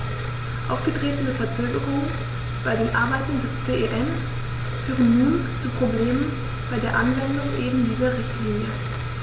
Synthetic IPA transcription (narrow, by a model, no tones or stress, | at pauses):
ʔa̰ʊfɡ̥ədʁeːtn̩əfɛɐt͡søːɡəʁʊŋən | b̥aɪdeːnʔaɐbaɪtn̩dɛst͡seːʔeʔɛn | fyːʁənːuːnt͡supʁ̥obleːmən | b̥aɪdeːɐʔanvɛndʊŋʔeːbm̩diːzɐʁɪçtʰliːnjə